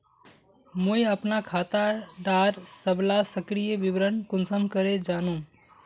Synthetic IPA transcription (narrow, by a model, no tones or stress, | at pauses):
mʊiɐpnakʰaːt̪aɖaːɾsəblasəkɾijəʋɪʋɾənkʊnsəmkəɾed͡ʒaːnũː